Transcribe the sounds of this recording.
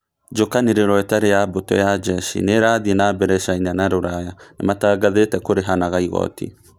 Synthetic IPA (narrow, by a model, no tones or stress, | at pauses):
d͡ʒokaneɾeɾɔetaɾejabotɔ̰jad͡ʒɛʃḭneɾaːðienabɛɾɛʃainanaɾoɾajanamataːɡaðetɛkoɾeɦanaɣaiɣɔ̰tḭ